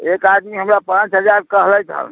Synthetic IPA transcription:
ekad̪miɦəmɾapãt͡ʃɦəd͡ʒaɾkəɦlɛjt̪ʰə̰l

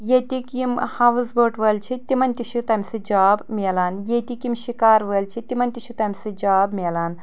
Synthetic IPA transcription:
jet̪ʲikimhaʋzbəːʈʋəːlt͡ʃʰit̪imɐnʲt̪ʲiɕut̪ɐmʲsɨd͡ʒaːbmʲelanjet̪ikimɕikaːɾʋəlt͡ʃʰit̪imɐnʲt̪iʃut̪ɐmʲsɨd͡ʒaːbmʲelaːn

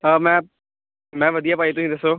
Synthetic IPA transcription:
əmɛ̃ː | mɛ̃ːʋɐd̪ijaːpaːit̪ʊsĩd̪ɐsoː

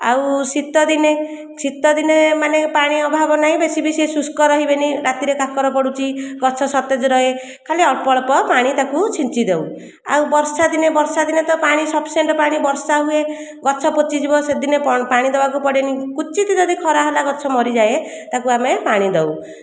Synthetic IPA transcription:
a̰wsit̪ɔd̪ine | sit̪ɔd̪inemanepaɽ̃iɔbʱabɔnaɦĩbesibisesuskɔɾɔɦibeniɾat̪iɾekakɔɾɔpɔɽut͡ʃʰiɡɔt͡ʃʰɔsɔt̪ed͡ʒɔɾɔe | kʰaleɔɽpɔɭpɔpaɽ̃it̪akut͡ʃʰint͡ʃid̪ew | a̰wbɔɾsad̪inebɔɾsad̪inet̪ɔpaɽ̃isɔbseɳʈɔpaɽ̃ibɔɾsaɦue | ɡɔt͡ʃʰɔpot͡ʃid͡ʒibɔsed̪inepaɽ̃id̪ebakupɔɽenikut͡ʃit̪id͡ʒɔd̪ʱikʰɔɾaɦɔlaɡɔt͡ʃʰɔmɔɾid͡ʒaje | t̪akuamepaɽ̃id̪ɔw

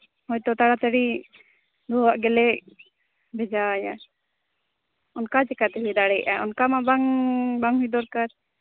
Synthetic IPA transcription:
hɔjt̪ɔt̪aɽat̪aɽi | d̪ɔwaʔɡɛlɛʔ̚ | bɛd͡ʒaja | ɔnkad͡ʒɛkat̪ɛɦujd̪aɽɛjʔaʔɔnkamabaŋbaŋɦujd̪ɔɾkaɾ

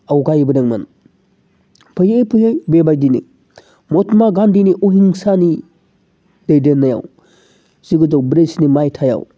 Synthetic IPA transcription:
awɡajbɐdɐŋmɐ̰n | pʰajepʰɯjjbebajdinḭ | mɔtmaɡandiniʔoɦiŋsani | dejdenːaja̰w | z̥iɡɯdɔwbɾesnimajtʰaja̰w

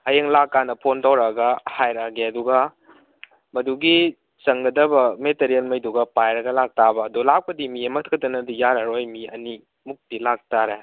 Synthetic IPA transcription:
hajeŋlakːanɐpʰontawɾɐɡɐhajɾaɡeɐduɡɐ | mɐduɡi | sɐŋɡɐdɐbɐmeteɾielmɐjduɡɐpajɾɐɡɐlak̚tabɐːdulak̚pɐdimiemɐtʰkʰɐtɐnɐdijaɾɐɾojmiɐni | muk̚tilak̚taɾe

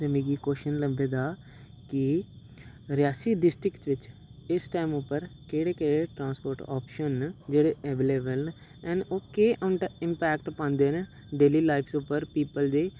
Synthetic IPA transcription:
t̪ɛmẽːɡiːkoːʃənləmbeːd̪aː | kɪ | ɾɪjaːsiːɖɪsʈɾɪktʋɪt͡ʃɪsʈaːimʊpːəɾkeːɽeːkeːɽeːʈɾãːnspoːɾʈɔ̰ːpʃənd͡ʒeːɽeːʔɛːʋeːleːbəln | ɛ̃ːnoːkeːɪmpɛːkʈpãːnd̪eːn | ɖeːliːlaːɪpʰsʊpːəɾpiːpəld̪eː

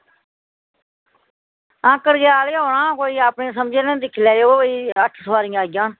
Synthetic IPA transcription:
ãːkəɾɡaːleːoːɳãːkoːiːaːpɳẽːs̬əmd͡ʒenẽːd̪ɪkʰlɛːoəiːəʈʰsəʋaːɾijaːɡɪjãːn

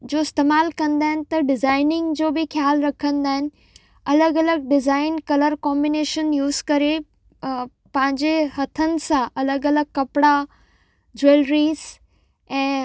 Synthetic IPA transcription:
d͡ʑoːɪst̪eːmaːlkɐ̃nd̪aːɦɪnɪ̆t̪ɐɖɪzaːɪnɪ̃ŋɡd͡ʑoːbɪxjaːlɾɐkʰə̃nd̪aːɦɪnɪ̆ | ɐləɡɐləɡ̚ɖɪzaːɪnkɐləɾkɔːmbɪneːʃənjuːzkɐɾe | pɐ̃ɦɪ̃ɲd͡ʑehɐt̪ʰənɪ̆sãʔɐləɡɐləɡ̚kːɐpɪɽa | d͡ʑeːlɾiːz | ɛ̃ː

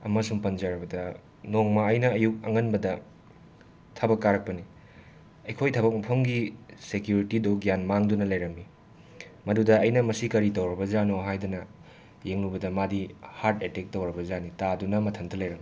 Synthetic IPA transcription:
ɐmɐsumpɐnd͡ʒaɾɐbɐdɐ | noŋmɐɐjnɐːjuk̚ɐŋɐnbɐdɐ | tʰɐbɐkːaɾɐk̚pɐni | ɐjkʰojtʰɐbɐk̚mɐpʰɐmɡisekjuɾitidoɡijanmaŋdunɐlɐjɾɐmːi | mɐdudɐɐjnɐmɐsikɐɾitɐwɾɐbɐzanoɦajdunɐ | jeŋnubɐdɐmadihaɾtetek̚towɾɐbɐzanitadunɐmɐtʰɐntɐlɐjɾɐmːi

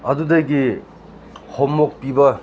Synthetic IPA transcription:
ʌd̪ud̪ʌɡi | hʰɔmːok̚pibʌ

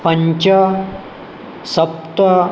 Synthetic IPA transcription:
pɐɲt͡ʃɐ | sɐp̚t̪ɐ

